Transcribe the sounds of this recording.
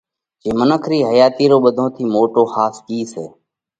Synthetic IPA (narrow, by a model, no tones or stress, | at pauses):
t͡ʃeːmənəkʰɾiːɦəjaːt̪iːɾoːɓəd̪ʱõːt̪ʰiːmoːʈoːxaːskiːseː